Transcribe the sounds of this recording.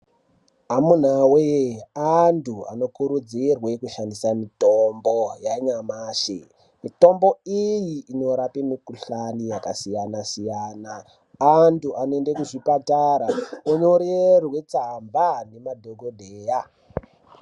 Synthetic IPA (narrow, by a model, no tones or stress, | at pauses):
amun̤aweantʰua̰no̞kuɾud͡zirwe̞kuʃandisamitombo̞jaɲamaːʃḛ | mito̞mbo̞ijiːno̞ɾapimikuɬanijakasijanasijaːnaː | ntuʔanoendekuʐipataɾaoɲo̞ɾerwe̞t͡sambane̞madʱoɡʱodʱeːja